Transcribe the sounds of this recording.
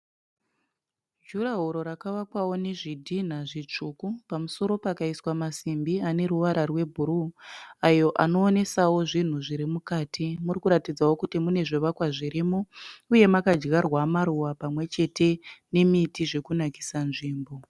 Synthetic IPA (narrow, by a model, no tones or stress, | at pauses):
d͡ʒuraɦoɾo̞ɾakaʋakwawo̞neʐidʱin̤aʐit͡ʂukupamuso̞ɾo̞pakaiswamasimbiane̞ɾuʋaɾarwe̞bʱuɾuajo̞ʔano̞ːne̞sawo̞ʐin̤uʐiɾimukaːtʰimurikuɾatid͡zawo̞kutimune̞ʐoʋakwaʐiɾimouje̞makad͡ʒɡarwamaɾuwapamwe̞t͡ʃe̞te̞ne̞mitiʐe̞kunaki̥sanʐiːmbo̞